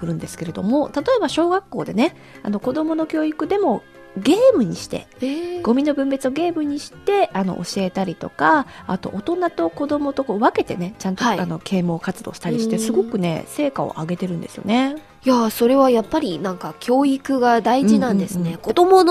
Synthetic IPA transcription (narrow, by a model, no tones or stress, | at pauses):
kɯ̟ɾɯ̟̃nd̪e̞sɨ̥ke̞ɾe̞d̪o̞mo̞t̪at̪o̞e̞baɕo̞ːɡakːo̞ːd̪e̞ne̞ | a̰no̞ko̞d̪o̞mo̞no̞kʲo̞ːikɯ̟d̪e̞mo̞ | ɡe̞ːmɯ̟ɲ̟iɕi̥t̪e̞̰ | eɡ̥o̞mʲino̞bɯ̟̃mbe̞t͡sɨoɡe̞ːmɯ̟ɲ̟iɕi̥t̪e̞ʔano̞̰ʔo̰ɕie̞t̪aɾʲit̪o̞̰kaːt̪o̞̰ʔot̪o̞nat̪o̞ko̞d̪o̞mo̞t̪o̞koβake̞t̪e̞ne̞t͡ɕãntt̪oiano̞kʰe̞ːmo̞ːkat͡sɨd̪oːɕi̥t̪aɾʲiɕi̥t̪e̞sɨɡo̞kɯ̟ne̞̰se̞ːkao̞̰ʔaɡe̞t̪e̞ɾɯ̟̃nd̪e̞sɨjo̞̰ne̞ | jaso̞ɾe̞βajapːaɾʲinãŋkakʲo̞ːikɯ̟ɡad̪aiʑinãnd̪e̞sɨ̃nekod̪omo